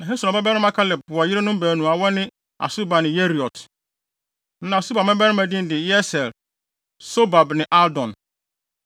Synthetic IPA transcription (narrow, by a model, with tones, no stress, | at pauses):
nã˨e˦sã˨ba˦bɛ˦nɪ̃˦ma˦kʰa˦lɪ˨b̚a˨jɪ˦ɾe˦nʊ̃˦m˦bæː˨nũ˨a˨wɔ˦nɪ̃˦ | a̰˨su˦ba˨nɪ̃˨je˦ɾi˨ɔ˨tʰ | n̩˦nã˨su˦ba˨mɛ̃˦bɛ˦ɾɪ̃˦mæ˨dɪ̃˦n˦dɪ˨jɛ˦sɛ˨l | so˦ba˨bnɪ̃˨ʔa˦dɔ̃˨n